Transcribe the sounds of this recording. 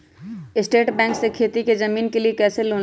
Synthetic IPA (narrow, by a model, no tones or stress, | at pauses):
ɪsʈeːʈbɛ̃ːŋksekʰeːt̪iked͡ʒɐmiːnkeliekɛːseloː